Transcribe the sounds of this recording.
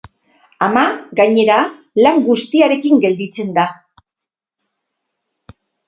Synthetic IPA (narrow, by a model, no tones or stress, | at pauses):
amaɡajɲe̞ɾa | laŋɡust̪iaɾe̞kiŋɡe̞ld̪it͡se̞nd̪a